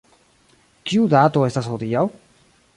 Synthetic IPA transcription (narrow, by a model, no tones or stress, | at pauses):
kiudato̞e̞stasxodiaw